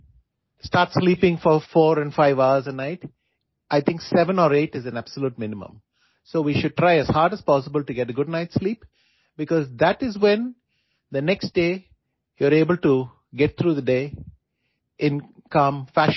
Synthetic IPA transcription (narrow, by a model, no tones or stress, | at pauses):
sʈaːɾʈsliːpɪ̃ŋfɔɾfɔːɾɛ̃nfaɪʋaʊəɾzənaɪʈ | ʔaɪt̪ʰɪ̃ŋksɛʋə̃nɔːɾeːʈɪzæ̃næb̥səluːʈ̚mɪ̃nɪmə̰̃m | soːʋiːʃʊɖ̚ʈɾaɪæz̥haːɾɖəz̥pɔːsɪbəlʈuɡɛʈəɡʊɖ̚naɪʈsliːp | bɪkɔːzd̪æʈɪzwɛ̃n | d̪ənɛksʈ̚ɖeː | juəɾeːbəlʈu | ɡɛʈ̚t̪ʰɾuːðəɖeː | ʔɪ̃nkʌ̃mfæʃ